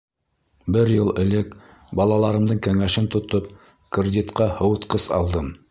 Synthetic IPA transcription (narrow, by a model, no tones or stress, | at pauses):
bɘɾjɤlˠɘ̆lɘk | bɑlˠɑlˠɑɾɤ̆md̪ɤɴkæŋæʃɘnt̪ŏt̪op̚ | krʲɪdʲit̪qɑhɤ̆wɤ̆t̪qɤsɑ̰lˠd̪ɤm